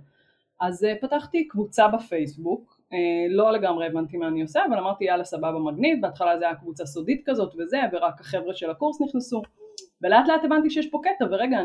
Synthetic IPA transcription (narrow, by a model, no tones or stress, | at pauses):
ʔazepat̪aχt̪ikvut͡sabafejsbuk | elo̞le̞ɡamʁeevant̪imaːnioseavalamaʁt̪ialasababamaɡnitbeat̪χalazeajakvut͡sasodit̪kazo̞t̪veze̞veʁakhaχe̞vʁeʃelakuʁsniχnesuveleat̪leat̪e̞vant̪iʃejɛʃpo̞ket̪aveʁeɡa